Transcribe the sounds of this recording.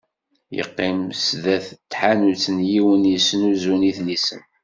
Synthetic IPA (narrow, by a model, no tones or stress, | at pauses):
jə̰qːɪmsðæθt̪ːħanut͡sːənjiwənjəsnuzuniθnisən